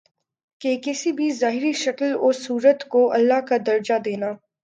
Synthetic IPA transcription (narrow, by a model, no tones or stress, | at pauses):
keːkɪsibʱizaːɦɪɾiʃɐkəlʊsuːɾət̪koʔɐlːaːɦkad̪ɐɾd͡ʒad̪eːnaː